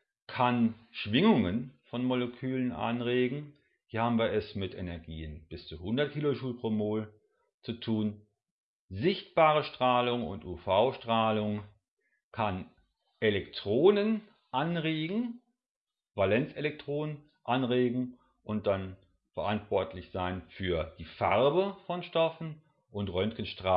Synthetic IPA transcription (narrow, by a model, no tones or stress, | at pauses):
kʰanʃv̥ɪŋʊŋənfɔnmolekʰyːlənʔa̰nʁeːɡŋ̩ | v̥iːhaːbm̩viːɐɛsmɪtʔenɛɐɡiːənb̥ɪst͡suhʊndɐt̚kʰiːloʃuːlpʁ̥oːmoːl | t͡sutʰuːn | zɪçtb̥aːʁəʃtʁ̥aːlʊŋʊ̰ntuːfaʊʃtʁ̥aːlʊŋ | kʰan | ʔelɛktʁ̥oːnən | ʔanʁeːɡŋ̩ | valɛnt͡selɛk̚tʁ̥oːnən | ʔanʁeːɡŋ̩ | ʔʊnt̚d̥an | fɛɐʔantv̥ɔɐtʰlɪçz̥aɪnfyːɐd̥iːfaʁbəfɔnʃtɔfn̩ | ʔʊntʁœnkən̩ʃtʁ̥aː